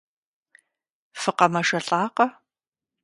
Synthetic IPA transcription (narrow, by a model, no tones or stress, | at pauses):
fɨqɐmɐʂɐɬʼaːqɐ